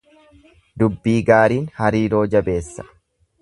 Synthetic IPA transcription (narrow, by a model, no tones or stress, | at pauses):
d̪ʊbːiːɡaːɾiːnhɐɾiːɾo̞ːd͡ʒɐbe̞ːsːɐ̥